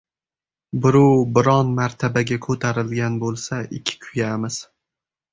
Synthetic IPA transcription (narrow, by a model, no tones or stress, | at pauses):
bʊɾuwbɪɾɒnmaɾt̪ʰabaɡʲakʰɵt̪ʰaɾɪlɡʲanbolˠsaʔɪkʲʰːɪ̥kʰʊjamɪz̥